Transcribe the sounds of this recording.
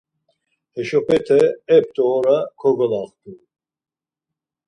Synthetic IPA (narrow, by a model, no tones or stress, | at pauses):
hɛʃɔpʰʼɛt̪ʰɛɛp̚t̪ʼɔːɾakʰɔɡɔlaχt̪ʼu